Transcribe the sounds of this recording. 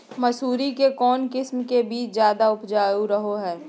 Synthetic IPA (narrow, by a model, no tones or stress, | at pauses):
mɐsuːɾikekɔːnkɪsmkebiːt͡ʃzjaːd̪aʊpd͡ʒaːjuɾɐɦoɦɛː